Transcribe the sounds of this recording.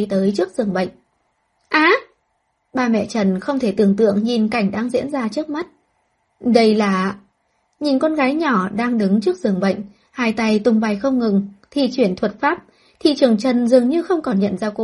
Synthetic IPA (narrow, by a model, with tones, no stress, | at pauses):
jt̪əː˨˦jt͡ɕɨ˦˥ək̚z̥ɨ˨˩əŋɓə̰˧˨jŋ̟ | ʔaː˨˦ | ɓaː˧mɛ̰˧˨t͡ɕə˨˩nxə˧wŋ͡mt̪ʰe˧˩t̪ɨ˨˩əŋt̪ɨ̰˧˨əŋɲi˨˩nka˧˩jŋ̟ɗaː˧ŋzḭ˧˥ənzaː˧t͡ɕɨ˦˥ək̚ma˦˥t̚ | ɗə˧jlaː˨˩ | ɲi˨˩nkɔ˧nɣaː˨˦jɲɔ˧˩ɗaː˧ŋɗɨ˨˦ŋt͡ɕɨ˦˥ək̚zɨ˨˩əŋɓə̰˧˨jŋ̟ | haː˧˩jt̪a˧˩jt̪ʊ˨˩ŋ͡mɓa˨˩jxə˧wŋ͡mŋɨ˨˩ŋt̪ʰi˧˨˩t͡ɕwi˧˩ənt̪ʰwə˨˩t̚faː˦˥p̚ | t̪ʰḭ˧˨t͡ɕɨ˨˩əŋt͡ɕə˨˩nzɨ˨˩əŋɲɨ˧xə˧wŋ͡mkɔ˨˩nɲə̰˧˨nzaː˧ko̰˧˦